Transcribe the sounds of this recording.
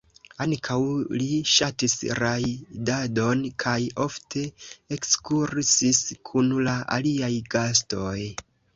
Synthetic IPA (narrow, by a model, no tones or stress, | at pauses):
aŋkʰawliʃatisɾajdado̞nkʰajo̞ftʰe̞ekskuɾsiskʰunlaʔa̰liajɡastoj